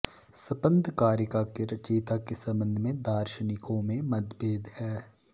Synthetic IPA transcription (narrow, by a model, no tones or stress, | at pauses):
sɐpə̃nd̪ʱkaːɾjəkakeɾɐt͡ʃiːt̪akesɐ̃mbə̃nd̪ʱmẽd̪aːɾʃənɪkõmẽmɐd̪beːd̪hɛː